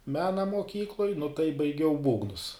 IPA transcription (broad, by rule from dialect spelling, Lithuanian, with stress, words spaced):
ˈmʲæːnɐ moːˈkʲiːklˠoːj nʊ tɐɪ bɐɪˈɡʲɛʊ ˈbuːɡnʊs